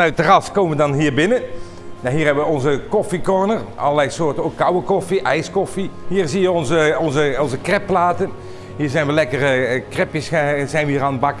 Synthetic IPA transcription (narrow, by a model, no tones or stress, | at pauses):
nœɥtərɑskoːwməʋədɑnɦiːɹbɪnə | naɦiːɹɦɛbəʋəɔnzəkɔfikɔɹnərʔɑ̰lˠəɹlɛjsoːɹtənokːɑwəkɔfiʔɛjskɔfihiːɹzijəɔnzəɔnzəɔnzəkrɛpːlaːtən | ɦiːɹzɛjnʋəlɛkərkrɛpjəszɛjnʋəiːraːnəbɑk